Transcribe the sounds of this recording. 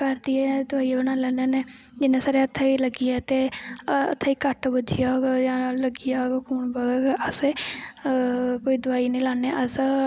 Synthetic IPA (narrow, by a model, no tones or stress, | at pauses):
kəɾd̪iɛːd̪ʊaːiabənãːlɛːneːneː | d͡ʒɪnãːsaːɾeːət̪ʰːaiːləɡiːɛːt̪eːə̰t̪ʰːaːiːkəʈbəd͡ʒijaɦoɡjãːləɡijaːɡakʰuːɳbaɡeɡʔəse | koːiːd̪ʊaːinə̃ːlaːneːʔəs